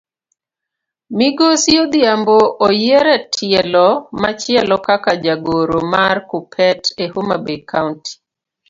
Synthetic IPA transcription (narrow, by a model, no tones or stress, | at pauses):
miɡosiod̪jamboʔːjɛɾɛtʰɪɛlɔmat͡ʃɪɛlɔkakad͡ʒaɡoɾomarkupʰɛtehumabekanti̥